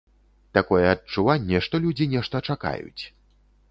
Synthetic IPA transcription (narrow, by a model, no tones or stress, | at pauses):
t̪akɔjɛɐt͡ʂːuvanʲːɛʂt̪ɔlʲud͡zʲinʲɛʂt̪ɐt͡ʂaka̰jṵt͡sʲ